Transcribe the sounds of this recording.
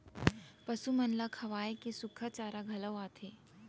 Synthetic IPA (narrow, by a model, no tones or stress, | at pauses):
pəsumənlakʰɐʋaːjkesukʰat͡ɕaːɾaɡʱɐləʋaːt̪ʰe